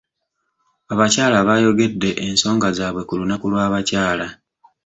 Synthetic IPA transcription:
aβacaːlaβajo̞ɡe̞dːe̞ʔenso̞ːŋɡazaːβwe̞kulunakulwaːβacaːla

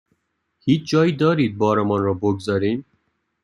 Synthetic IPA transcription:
hiːt͡ʃd͡ʒɒːjid̪ɒːɾiːd̪̚bɒːɾɛmɒnɾɔːboɡzɒɾiːm

